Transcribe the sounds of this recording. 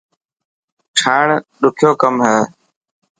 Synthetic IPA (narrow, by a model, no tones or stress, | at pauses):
ʈʰaːɳɗʊkʰjoːkəmɦɛː